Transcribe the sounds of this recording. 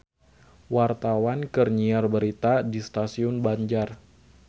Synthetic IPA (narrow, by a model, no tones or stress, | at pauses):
wart̪awankərɲiarbəɾit̪adist̪asiʊnbaɲd͡ʒar